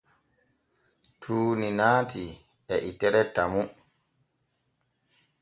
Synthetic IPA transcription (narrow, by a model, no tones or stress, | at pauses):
tʰuːninaːti | ɛʔitɛɾɛtamu